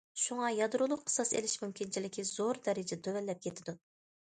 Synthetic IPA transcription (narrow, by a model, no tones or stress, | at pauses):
ʃuŋɑjɑd̪ɾulˠʊqqʰːə̥sɑsḛlɪʃmymkʲʰint͡ʃʰilɪkʲiz̥oɾd̪ɛɾɪd͡ʒɛd̪ʰøwɛlːɛp̚kʲʰet̪ʰɪd̪u